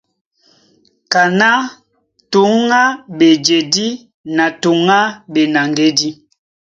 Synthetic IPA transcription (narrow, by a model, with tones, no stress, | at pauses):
ka˨na˦ | tu˨˦ŋa˦be˨d͡ʒe˨di˦ | na˨tu˨ŋa˦be˨na˨ŋɡe˦di˦